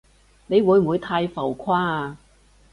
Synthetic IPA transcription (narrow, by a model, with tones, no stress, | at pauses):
ne˨˧jwuː˨˧jm̩˨wuː˨˧jt̪ʰaː˧jfɐ˨˩wkʰaː˥˨